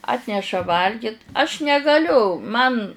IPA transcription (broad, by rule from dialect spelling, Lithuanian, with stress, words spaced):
ˈɑːtʲnʲɛʃɐ ˈʋɐlʲɡʲɪt ɐʃ nʲɛɡɐˈlʲʊ ˈmɐn